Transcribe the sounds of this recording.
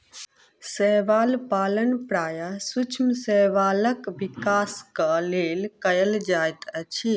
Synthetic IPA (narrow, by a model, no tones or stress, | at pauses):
səɦʋaːlpaːlənpɾaːjasut͡ʃʰmsəʋaːləkbikaːskəlelkəjəld͡ʒajt̪ət͡ʃʰi